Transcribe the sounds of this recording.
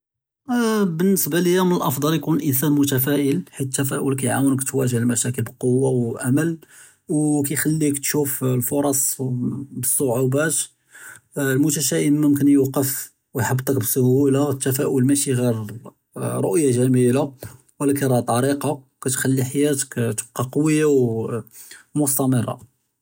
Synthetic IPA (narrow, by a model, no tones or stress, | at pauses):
bənːəsbaləjːæmənəlʔɑfd̪ˤɑljkunəlʔəns̬ænmʊt̪æfæʔəlħit̪t̪ːæfæʔʊlkæjʕawənəkt̪wæʒəlmæʃækəlbəlqowːawʔaməl | wkæjxælːikt̪ʃuflfoɾˤɑsˤ | bəsˤːoʕubæt̪ | lmʊt̪æʃæʔəmːʊmkənjuqəf | wjħəbt̪ˤɑkbəsʊhulat̪ːæfæʔʊlmæʃiɣiɾ | ɾˤo̰ʔjːaʒæmila | wəlːækiɾˤɑt̪ˤʕɑɾiqɑ | kæt̪xælːiħajæt̪ə̥kt̪əb̚qːɑqɑwjːaw | mʊst̪ɑməɾˤɑ̰